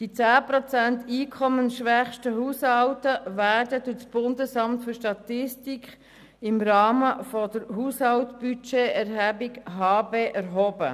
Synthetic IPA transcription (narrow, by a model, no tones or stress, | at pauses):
d̥it͡sæːpɾɔt͡sæntiːkʰɔmənʃʋæχʃtəɦuːshɑwtəʋæːɾdədut͡sb̥ʊndəsɑmt̪fʏɾʃtɑt̪ɪstikʰ | ɪmɾɑːməfɔdəɾɦuːshɑltb̥yt͡ʃeɛɾɦæbikɦɑːbeːʔæɾɦoːbə